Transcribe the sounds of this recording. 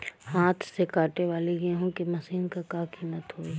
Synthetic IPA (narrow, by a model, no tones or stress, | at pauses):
haːt̪ʰsekaːʈeʋaːleɡeɦũkemɐsiːnkakaːkiːmət̪ɦoːi